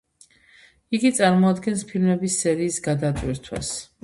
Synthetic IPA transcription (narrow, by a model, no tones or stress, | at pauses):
iɡit̪sʼaɾmɔad̪ɡɛnspʰilmɛbisːɛɾiːsɡad̪at̪ʼwiɾt̪ʰwa̰s